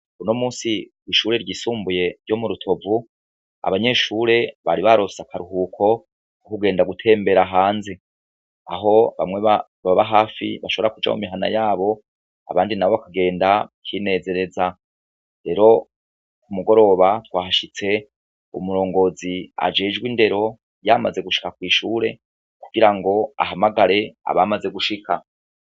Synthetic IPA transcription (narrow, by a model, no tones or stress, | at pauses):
unomuːsiwiʃuːɾe̞ɾɟiːsuːmbuje̞ɾɟomuɾutʰo̞vu | a̰βaɲe̞ʃuːɾe̞βaɾiβaɾosakʰaɾuɦukʰo̞ | okuɡe̞ːndaɡutʰe̞ːmbe̞ɾaɦaːnze | a̰ɦo̞βa̰mŋweβa | βaβaβaɦaːfḭβaʃo̞βoɾakud͡ʒa̰mṵmiɦana̰jaːβo̞ | a̰βaːndinaβo̞βakaɡe̞ːndakʰiːne̞ːze̞ɾe̞za | ɾe̞ːɾo̞ | kumuɡo̞ɾo̞βatwaːhaʃit͡se̞ | umuɾo̞ːŋɡo̞zia̰d͡ʒe̞ːd͡ʒɡwinde̞ɾo̞ | jama̰ze̞ɡuʃi̥kakwiːʃuːɾe̞̰ | ku̥ɡ̥iɾaŋɡo̞a̰ɦamaɡaɾe̞a̰βamaze̞ɡuʃika